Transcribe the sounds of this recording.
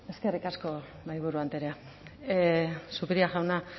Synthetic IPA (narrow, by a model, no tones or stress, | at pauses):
e̞ske̞rikasko̞ | majβ̞uɾuant̪eɾea | supiɾiaʝawna